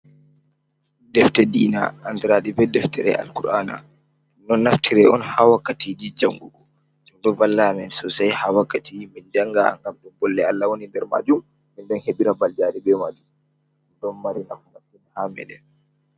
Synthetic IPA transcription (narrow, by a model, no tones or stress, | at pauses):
dɛftɛdiːna̰ːndiɾadibɛdɛftɛɾɛ̰a̰lkuɾana̰ | nːɔnːaftʰiɾɛʔɔnhawakːatid͡ʒid͡ʒaŋɡuɡɔ | d͡ʒundɔvalːamɛnsɔsajhawakːatʰimind͡ʒaŋɡa̰ŋɡambɛbɔlːɛalːawonindɛɾma̰d͡ʒumː | inɗɔnheɓiɾabald͡ʒaɾibɛmad͡ʒum | dɔnmaɾinafunafunhamɛ̰ɗɛ̰